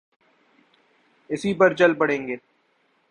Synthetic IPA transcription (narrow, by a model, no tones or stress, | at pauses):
ɪsipɐɾt͡ʃɐlpɐɽẽːŋɡeː